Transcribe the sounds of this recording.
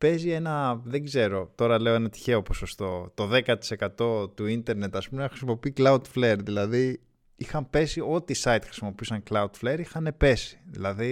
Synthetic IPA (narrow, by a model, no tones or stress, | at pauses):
pe̞zienɐðe̞ɡze̞ɾo̞t̪o̞ɾɐle̞oe̞nɐt̪i̥çe̞o̞po̞so̞st̪o̞t̪o̞ðe̞kɐt̪i̥se̞kɐt̪o̞t̪uint̪e̞ɾne̞t̪ɐspumexɾisimo̞piiklɐud̪fleɾðilɐði | ixɐmpe̞sio̞t̪isɐit̪xɾisimo̞piusɐŋklɐud̪fleɾixɐne̞pe̞si̥ðḭlɐði